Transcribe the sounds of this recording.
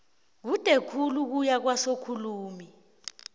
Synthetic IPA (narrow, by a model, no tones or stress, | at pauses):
k̬utʼɛkʰuluk̬ujak̬wasokʰuluːmi